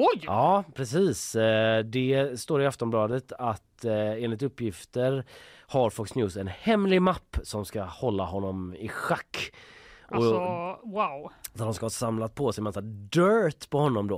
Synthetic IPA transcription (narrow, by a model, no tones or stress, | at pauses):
ɔjɑːpʰɾɛsiːsd̪ɛst̪oːɾɪaft̪ɔmblɑːd̪ət̪at̪eːnlɪt̪ɵpːjɪft̪əɾhaɾfɔksnjʉːsɛnhɛmːlɪmapːsɔmskahɔlːaɦɔnːɔmɪ̰ɧakːʔɔwawd̪at̪dʊmskahɑsamlat̪̚pʰɔsɛɪmɛsad̪œːt̪pʰɔhɔnːɔmd̪oː